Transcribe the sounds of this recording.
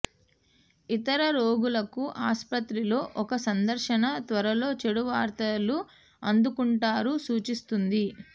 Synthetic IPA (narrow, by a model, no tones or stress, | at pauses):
it̪ɐɾɐɾo̞ːɡulɐkuʔaːspɐt̪ɾilo̞ːʔɔkɐsɐnd̪ɐɾʃɐnɐt̪ʋɐɾɐlo̞ːt͡ʃeɽuʋaːɾt̪ɐlu | ɐnd̪ukuɳʈaːɾusuːt͡ʃist̪und̪i